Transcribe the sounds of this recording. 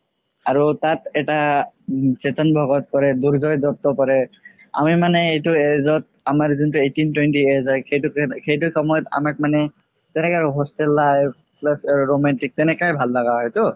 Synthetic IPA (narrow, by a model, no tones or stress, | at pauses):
aɹutatɛta | sɛtɔnbʱɔɡɔt̚kɔɹɛduɹzɔjzɔp̚t̪ɔpɔɹɛ | a̰mimanɛejtʊezɔt̚amaɹzuntuejtintwɛntiezɔxejtukxejt̬ʊkɔmɔjɔta̰mak̚manɛ | tɛnɛkaɦɔstɛlːaj | plasaɹomɛntik̚tɛnɛkajbʱalːaɡaɦɔjtʊ